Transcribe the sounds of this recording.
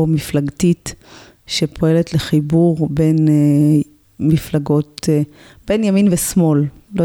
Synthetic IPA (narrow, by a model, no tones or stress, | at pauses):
miflaɡtit | ʃepʰo̞e̞letleχibuʁbe̞n | miflaɡot̪ | b̥ejnjaminvesmo̞llo